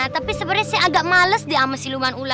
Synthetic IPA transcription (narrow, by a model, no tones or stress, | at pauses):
at̪apisəbəɾɛsɛaɡaʔmaləsdiaməsilumanula